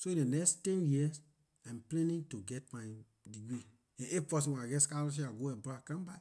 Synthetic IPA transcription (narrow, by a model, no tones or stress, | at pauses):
soĩdenɛkstɛ̃njis | ãmplɛ̃nĩŋtuɡɛtmaj | diɡɹi | ɛ̃ʔepɔs̬ĩwɛ̃naɡɛtskalɔʃ̬iaɡoɛbɾakãmba